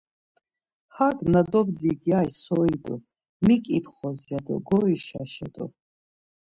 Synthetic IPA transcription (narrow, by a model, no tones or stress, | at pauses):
haɡnad̪ɔbd͡ziɡjajsɔid̪ɔ | mikʼipʰχɔzjad̪ɔ̰ɡɔɾiʃa̰ʃɛ̰d̪ɔ̰